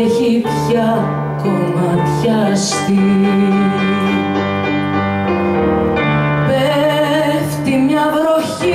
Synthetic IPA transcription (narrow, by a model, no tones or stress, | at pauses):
çipçɐ | ce | mɐt̪çɐ | st̪i | pɛ | ft̪imɲɐvɾoçi